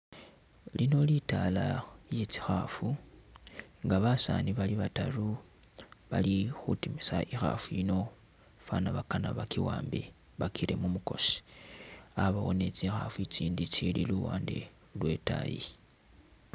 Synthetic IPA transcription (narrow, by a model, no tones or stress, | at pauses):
lino̞litalajet͡si̥xafu | ŋɡaβasaniβaliβataru | βalixutimisaʔixa̰fujino̞ | fanaβakana̰βakiwaːmbe̞̰ | βakʰiɾe̞mumuko̞si̥ | aβawone̞t͡sixafuit͡siːndit͡ʃililuwaːnde̞̰ | lwe̞ta̰ji